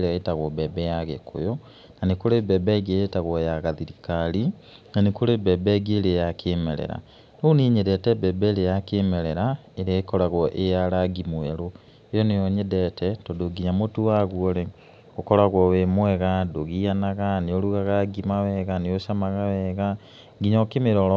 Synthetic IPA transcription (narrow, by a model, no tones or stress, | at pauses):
ɾeaetaɣwɔbɛbɛjaɣekʰo̰jɔ | nanekoɾebɛbɛɡiejetaɣwɔjaɣaðiɾikaɾi | nanekoɾebɛbɛɡeːɾejakʰemɛɾɛ̰ɾa̰ | nouniːɲedɛtɛbɛbɛɾejakemɛɾɛɾaeɾeaekɔɾaɣwɔʔejaɾaɡimwɛɾo | ejɔnejɔɲedɛtɛtɔdoɡiɲamotuwaɣwɔɾe | okɔɾaɣwɔwemwɛɣadoɣianaɣaneoɾuɣaɣaɡimawɛɣaneoʃamaɣawɛɣa | ɡiɲɔkemeɾɔɾɔ